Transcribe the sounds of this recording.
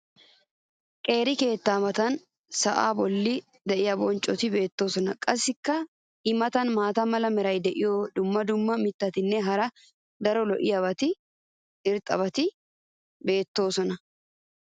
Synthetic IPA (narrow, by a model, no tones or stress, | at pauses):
kʼe̞ːɾɪke̞ːt̪ːaːmɐt̪ɐn | sɐʔa̰ːbɔlːɪ | d̪ɛʔɪjɐbɔnt͡ʃʼːɔt̪ɪbe̞ːt̪ːo̞ːsɔnɐkʼɐsːɪkːɐ | ɪmɐt̪ɐnmaːt̪ɐmɐlɐmɛɾɐjd̪ɛʔɪjɔd̪ʊmːɐd̪ʊmːɐmɪt̪ːɐt̪ɪnːɛɦɐɾɐ | d̪ɐɾɔlɔʔɪjɐbɐt̪ɪ | ɪɾt̪ʼːɐ̰βɐt̪ɪ | be̞ːt̪ːo̞ːsɔnɐ